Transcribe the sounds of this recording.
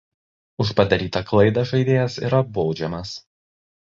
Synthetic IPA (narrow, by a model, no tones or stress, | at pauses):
ʊʃpɐd̪ɐɾʲiːt̪ɐklˠɐɪd̪ɐʒɐɪd̪ʲeːjɛsḭːɾɐboːd͡ʒʲɛmɐs